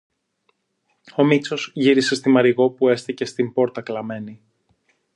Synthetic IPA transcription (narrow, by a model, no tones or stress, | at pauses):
o̞mit͡so̞zʝiɾise̞st̪imɐɾiɣo̞pue̞st̪ice̞st̪imbo̞ɾt̪ɐklɐme̞ni